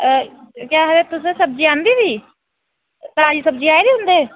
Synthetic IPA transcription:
kjaɦədet̪ʊs̬esəb̚d͡ʒiãːnd̪ib̪iː | t̪ad͡ʒisəb̚d͡ʒiaːeɾiɦʊ̃nd̪eː

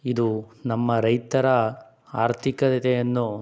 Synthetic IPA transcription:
id̪unɐmːɐɾɐjt̪ɐɾɐ | aːɾt̪ʰikɐd̪it̪ejɐnːu

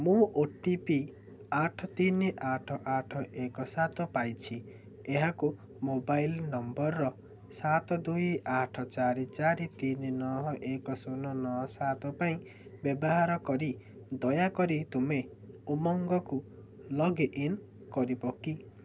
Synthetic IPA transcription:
mũʔoʈipi | aʈʰɔt̪iniʔaʈʰɔʔaʈʰɔʔekɔsat̪ɔpajt͡ʃʰi | eɦaku | mobajlnɔmbɔɾːɔ | sat̪ɔd̪ujaʈʰɔt͡ʃaɾit͡ʃaɾit̪ininɔɦɔʔekɔsonɔnɔɦɔsat̪ɔpaĩ | bjɔbɔɦaɾɔkɔɾi | d̪ɔjakɔɾit̪ume | umɔŋɡɔku | lɔɡʔin | kɔɾibɔki

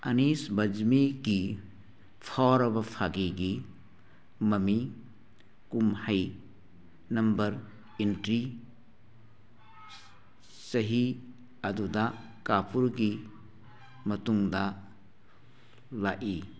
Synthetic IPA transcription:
ɐnisbɐd͡ʒmiɡi | pʰawɾɐbɐpʰaɡiɡi | mɐmi | kumhɐj | nɐmbɐɾ | intɾi | sɐɦi | ɐdudɐ | kapuɾɡi | mɐtuŋdɐ | laʔi

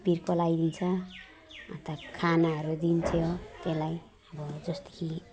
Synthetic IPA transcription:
pirkʌlajd̪int͡sʰʌː | t̪akʰanaɦʌɾud̪int͡sʰjot̪elaj | ʌbʌd͡zʌst̪e̥kʰi

